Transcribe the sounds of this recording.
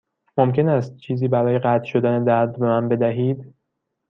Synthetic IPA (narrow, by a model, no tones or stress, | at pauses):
momce̞næst̪̚t͡ʃʰiːziːbæɾɒːje̞ɣæt̪ʰʃo̞d̪æned̪æɾd̪̚be̞mænbe̞d̪æɦiːd̪